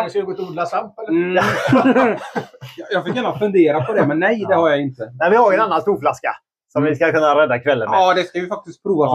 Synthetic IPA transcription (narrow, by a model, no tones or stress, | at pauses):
d̪ɛskalɡoːt̪ɪuːd̪lasamt̪ | jɑːɡfɪkːjaːnafɵnd̪eːɾapʰɔd̪ɛmɛnːɛjd̪ɛhaɾjaɪnt̪ənɛnvɪhaɾjɛnanːanst̪uːɾflaska̰ | sɔmvɪskakʰɵnːaɾɛd̪ːakʰvɛlːə̰nɛd̪ɛskavɪfak̚t̪ɪst̪̚pʰɾuːva